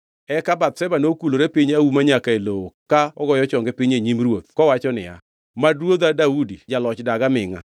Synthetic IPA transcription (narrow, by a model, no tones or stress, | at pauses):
ɛkabat̪̚sɛbanokuloɾepɪɲaumaɲakaelowokaɔɡɔjɔt͡ʃɔŋɡɛpɪɲeɲimɾwot̪̚kɔwat͡ʃɔnɪ̰a̰ | madwot̪adaudid͡ʒalɔt͡ʃdaɡamɪŋa̰